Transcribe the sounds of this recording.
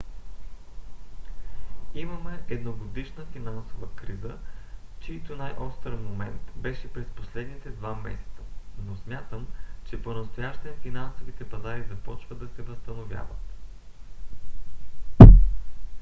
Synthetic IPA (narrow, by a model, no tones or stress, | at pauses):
imɐmɛɛd̪noɡod̪iʃnəfinansovəkɾizət͡ʃiːt̪onajʔɔst̪ɾmomɛnt̪bɛʃɛpɾɛsposlɛd̪nit̪ɛd̪vamɛ̰sɛ̥t̪sənosmʲjat̪əmt͡ʃɛponɐst̪ojaʃt̪ɛnfinansovit̪ɛpɐzaɾizɐpɔt͡ʃvəd̪d̪ɐsɛvɐst̪ɐnovʲja̰vət̪